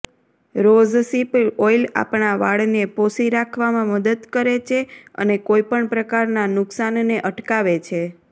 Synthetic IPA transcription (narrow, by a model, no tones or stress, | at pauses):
ɾod͡ʒsipojla̰pɳaʋaɭneposiɾakʰʋamãməd̪əd̪kəɾet͡ʃʰeə̰nekojpəɳpɾəkaɾnanʊksanneʔəʈkaʋet͡ʃʰe